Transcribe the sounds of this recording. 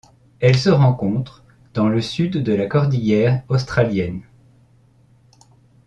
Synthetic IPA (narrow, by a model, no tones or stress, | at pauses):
ɛlsəʁɑ̃kɔ̃t̪χ | d̪̥ɑ̃ləsyd̪ːəlakɔʁd̪ijɛʁost̪χaljɛn